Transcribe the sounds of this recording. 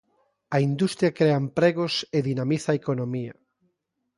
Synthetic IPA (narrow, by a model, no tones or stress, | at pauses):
ɐind̪ust̪ɾjɐkɾeɐempɾeɣoseðinamiθɐaekonomiɐ̰